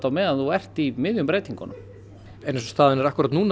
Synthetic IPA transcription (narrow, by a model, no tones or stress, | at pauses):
t̪amɛðaθuɛr̥t̪imɪðjʏmpɾeːjt̪iŋkɔ̰nʏm | ɛnɛs̬ɔst̪aːðɪnɛɾahkʏɾat̪nuːn